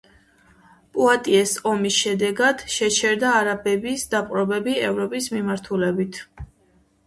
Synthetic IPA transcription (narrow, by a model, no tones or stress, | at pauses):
pʼuat̪ʼiɛsɔmisʃɛd̪ɛɡad̪̥ʃɛt͡ʃʰɛɾd̪aːɾabɛbisd̪apʼɾɔbɛbiɛvɾɔpʼismimaɾt̪ʰulɛbit̪ʰ